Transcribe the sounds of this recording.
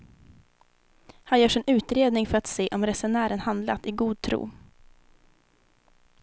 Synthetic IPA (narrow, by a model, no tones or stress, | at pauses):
hanjœːʂɪnʉ̟ːt̪ɾeːd̪nɪŋfœɾat̪seːʔɔmɾɛsʊɳæːɾənhand̪lat̪ɪɡuːd̪̚t̪ʰɾṵː